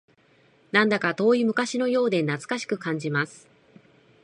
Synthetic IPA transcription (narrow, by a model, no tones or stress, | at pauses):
nãnd̪akat̪o̞ːimɯ̟kaɕino̞jo̞ːd̪e̞nat͡sɨ̥kaɕi̥kɯ̟kãɲ̟d͡ʑimasɨ̥